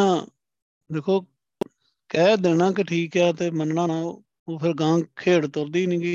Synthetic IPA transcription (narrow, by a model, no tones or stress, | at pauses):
ãː | d̪eːkʰoː | kɛːd̪eːnãːkɪʈʰiːkɛːt̪eːmənɳãːaː | oːpʰɪɾɡãːɡkʰeːɽt̪ʊɾd̪iːnĩːɡiː